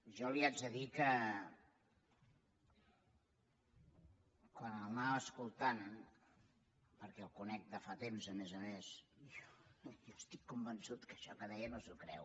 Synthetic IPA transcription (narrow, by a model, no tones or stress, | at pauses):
ʒɔliad͡ʒəðikə | kwanəlˠnaβəskulˠt̪an | pəɾkɛlˠkunɛk̚d̪əfat̪emzəmɛzəmesjɔjɔst̪ikːumbənsut̪kəʃɔkəðɛjənozukɾɛ̰w